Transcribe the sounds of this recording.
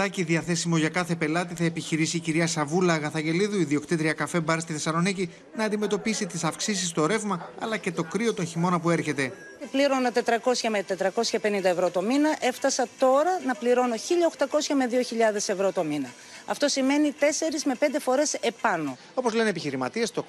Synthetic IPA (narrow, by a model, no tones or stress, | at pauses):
ɐciðiɐθe̞simoʝɐkɐθe̞pe̞lɐt̪iθɐe̞piçiɾisiːciɾiɐsɐvulɐɣɐθɐɲɟe̞liðuiðio̞kt̪it̪ɾiɐkɐfe̞bɐɾist̪iθesɐlo̞nici | nɐːnd̪ime̞t̪o̞pisit̪isɐfksisist̪o̞ɾe̞vmɐɐlɐce̞t̪o̞kɾio̞t̪o̞nçimo̞nɐpue̞ɾçe̞t̪e̞ | t̪ipliɾo̞not̪e̞t̪ɾɐko̞sçɐmet̪e̞t̪ɾɐko̞sçɐpe̞nind̪ɐevɾo̞t̪o̞minɐʔe̞ft̪ɐsɐt̪o̞ɾɐnɐpliɾo̞noçiʎɐoxt̪ɐko̞sçɐme̞ðio̞çiʎɐðe̞sevɾo̞t̪o̞minɐ | ɐft̪o̞sime̞nit̪e̞se̞ɾizme̞pe̞nd̪e̞fo̞ɾe̞se̞pɐno̞ | o̞po̞zle̞neepiçiɾimɐt̪iest̪o